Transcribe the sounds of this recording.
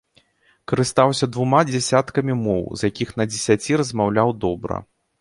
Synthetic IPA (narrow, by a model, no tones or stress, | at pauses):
kɐɾɨst̪awsʲɐd̪vumad͡zʲɛsʲat̪kɐmʲimɔwzjakʲixnɐd͡zʲɛsʲat͡sʲiɾɐzmawlʲawd̪ɔbɾɐ̰